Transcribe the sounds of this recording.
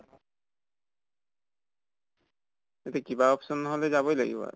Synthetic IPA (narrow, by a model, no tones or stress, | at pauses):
etɛkibaɔpsɔnːɔɦolɛzaβojla̰ɡḭba̰